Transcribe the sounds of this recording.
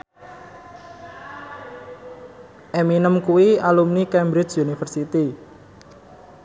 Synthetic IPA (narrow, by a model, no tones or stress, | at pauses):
ʔɛminəmkuwialumnikɛmbɾɪt͡ʃunifərsit̪i